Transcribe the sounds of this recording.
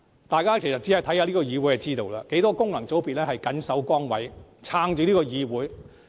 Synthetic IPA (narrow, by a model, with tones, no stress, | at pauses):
t̪aː˨jkaː˥kʰe˨˩jsɐ˨t̚t͡si˨˥a˨˩t̪ʰha˨˧liː˥kɔː˧jiː˨˧wu˨˥jɐ˨˧t͡siː˥t̪o˨wlaː˧ke˨˥jt̪ɔː˥kʊ˥ŋlɐ˨˩ŋt͡so˨˥wpi˨t̚lɛː˥hɐ˨jkɐ˨˥nsɐ˨˥wkɔː˥ŋwɐ̰˨˥jt͡sʰaː˧˥ŋt͡ʃyː˨˧˥liː˥kɔː˧jiː˨˧wuː˨˥j